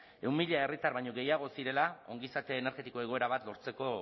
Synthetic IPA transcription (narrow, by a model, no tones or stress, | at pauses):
e̞wmiʎae̞rit̪aɾβaɲo̞ɣe̞jaɣ̞o̞siɾe̞lao̞ŋɡisat̪e̞ːne̞ɾɣe̞t̪iko̞e̞ɣ̞o̞e̞ɾaβ̞at̪lo̞ɾt͡se̞ko̞